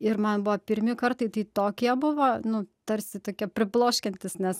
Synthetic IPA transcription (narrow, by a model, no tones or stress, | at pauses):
ɪrmɐnbʊʋɐːpʲɪɾʲmʲɪkɐrt̪ɐɪt̪ɐɪt̪oːkʲiɛbʊʋoːnʊt̪ɐɾʲsʲɪt̪oːkʲiɛpʲɾʲɪplˠoːʃʲkʲɛnʲt̪ʲɪsnʲɛs